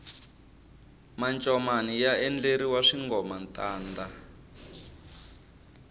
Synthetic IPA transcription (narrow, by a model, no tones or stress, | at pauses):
mant͡ʃʼɔmanijaɛnd͡ɮeɾiwaʂiŋɡɔmantaːnda